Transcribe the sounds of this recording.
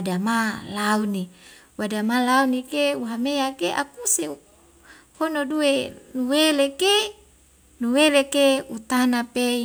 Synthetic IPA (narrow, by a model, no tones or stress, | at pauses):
adamalauni | wadamalaunikeuɦameakeʔa̰kuse | honoduenuweleke | nuwelekeut̪anape